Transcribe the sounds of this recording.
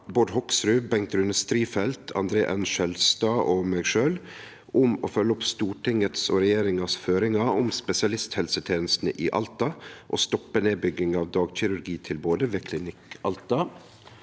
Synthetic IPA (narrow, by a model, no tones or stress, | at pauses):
boːɖ̪hɔksɾʉːbɛŋ̚t̪ɾʉnəst̪ɾiːfɛlt̪ʰɑ̰nd̪ɾeːʔɛnʃɛlst̪ɑːʔoːmeːɡʃøːl | ʔʊmo̰ːfœlːəʊpst̪uːʈɪŋət̪soːɾɛjeːɾɪŋɑsføːɾɪŋɑʊmspɛsɪɑlɪst̪hɛlsət̪ʰeːnəst̪nəʔiːʔɑ̰lt̪ɑʔo̰ːst̪ɔpːəneːbʏɡɪŋɑːʋd̪ɑːɡçɪɾʉɾɡiːt̪ʰɪlboːd̪əʋeːkʰlɪnɪkɑlt̪ɑ